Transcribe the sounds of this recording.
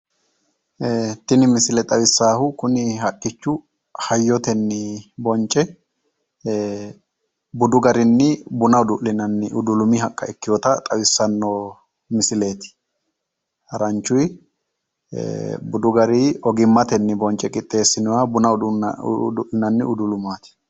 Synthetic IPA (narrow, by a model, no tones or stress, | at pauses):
t̪ɪnɪmɪsɪlɛt̪ʼɐwɪsːaːhʊkʊnɪɦɐkʼːɪt͡ʃːʊ | hɐjːɔt̪ɛnːɪbɔnt͡ʃʼːɛ | bʊd̪ʊɡɐɾɪnːɪbʊnɐʊd̪ʊʔlɪnɐnːɪʔʊd̪ʊlʊmɪɦɐkʼːɐ̰ɛkːɪjɔt̪ɐt̪ʼɐwɪsːɐnːoː | mɪsɪle̞ːt̪ɪ̥ | hɐɾɐnt͡ʃːʊj | bʊd̪ʊɡɐɾɪɔɡɪmːɐt̪ɛnːɪbɔnt͡ʃʼːɛkʼɪt̪ʼːe̞ːsːɪnɔwɐbʊnɐ | d̪ʊʔɪnɐnːɪʊd̪ʊlʊmaːt̪ɪ̥